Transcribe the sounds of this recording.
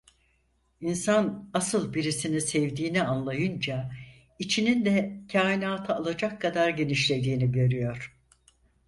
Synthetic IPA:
insanasɯlˠbiɾisinisɛvd̪iːnianlˠajɯnd͡ʒa | it͡ʃʰinind̪ɛcʰaːinaːt̪ʰɯalˠad͡ʒakʰːad̪aɾɟe̞niʃlʲe̞d̪iːniɟø̞ɾyjo̞ɾ̥

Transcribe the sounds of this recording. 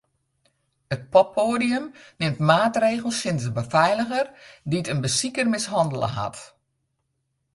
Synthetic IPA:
ət̚pɔpʰoːdijəmnɪmtmaːtreːɣəl̩ˠsɪnzdəbəfɛjləɣərditənbəsikərmɪsɦɑndəlˠə̰ɦa̰t

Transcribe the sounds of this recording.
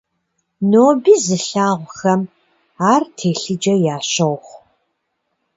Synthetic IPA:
noːbiːzɨɬaːʁʷxɐm | aːrtʰeːɬɨd͡ʒɐjaːɕɐʁʷχʷ

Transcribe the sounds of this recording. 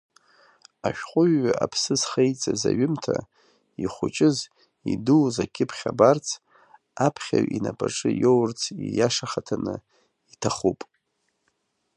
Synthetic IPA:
aʃᶣqʷʼʊɥːapʰsɨzχejt͡sʼazaɥʊmtʰa | iχʷʊt͡ʃʼɪz | iduzakʲʰɪpʰχʲabart͡sʰ | apʰχʲaɥʔinapʼaʈ͡ʂʼɨjowrt͡sʰijaʂaχatʰanɨ | itʰaχupʼ

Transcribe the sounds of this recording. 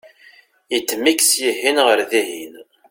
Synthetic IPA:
it͡sːmiksjihinʁəɾðihin

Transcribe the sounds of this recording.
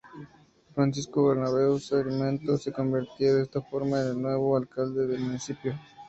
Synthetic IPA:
fɾans̬iskoβeɾnaβe̞wseɣmẽnt̪ose̞ko̞mbiɾt̪joðest̪afoɾmaenelnwe̞βoalkald̪eðelmunisipjo

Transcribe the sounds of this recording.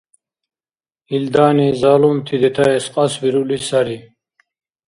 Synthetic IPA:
ild̪aːnizaːlumt̪ʰid̪ɛt̪ʰaɛsqʼɑsviɾulisaɾi

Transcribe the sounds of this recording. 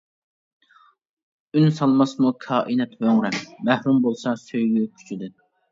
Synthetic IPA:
ynsɑlˠmɑsmukʰɑːʔinɛt̪høŋɾɛmmɛhɾumbolˠsɑsøjɡʲykʲʰy̥t͡ʃʰyd̪ɪ

